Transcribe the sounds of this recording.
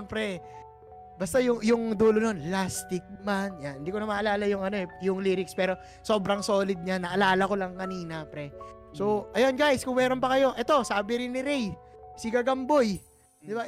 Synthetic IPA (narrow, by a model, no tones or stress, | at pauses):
mpɾɛ | bɐst̪ajʊŋjʊŋd̪uːlono̞nlast̪ɪk̚manjanhɪnd̪iːkonɐmaːʔɐlaːlɐjʊŋɐno̞ɛjʊŋliːɾɪkspɛːɾo̞ | so̞ːbɾɐŋso̞ːlɪd̪̚ɲanɐʔɐlaːlɐko̞lɐŋkɐniːnɐpɾɛ | so̞ʔɐjonɡajskʊŋmɛːɾonpɐkɐjo̞ʔɛt̪o̞saːbɪɾɪnːɪɾɛjsɪɡɐɡɐmboj | d̪ɪba